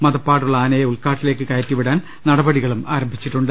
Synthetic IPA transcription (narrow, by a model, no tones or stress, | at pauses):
mɐðɐpːaːɽuɭːɐaːnɐjɐuɭkaːʈːile̞ːkːɨkɐjɐtːiʋiɽaːn | nɐɽɐbɐɽiɣɐɭumaːɾɐmbʱit͡ɕːiʈːuɳɖɨ